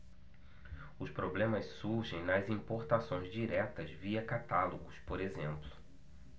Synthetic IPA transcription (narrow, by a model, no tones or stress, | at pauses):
ʊspɾoblẽmɐssuɾʒẽj̃nɐzĩpoɾt̪asõj̃zd͡ʒiɾɛt̪ɐzviɐkat̪aloɡʊspoɾezẽmplʊ̥